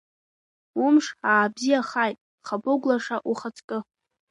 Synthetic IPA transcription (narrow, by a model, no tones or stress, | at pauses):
ʊmʂaːbzijaχajtʼ | χaboɡʷlaʂaʔuχat͡sʰʼkʼɨ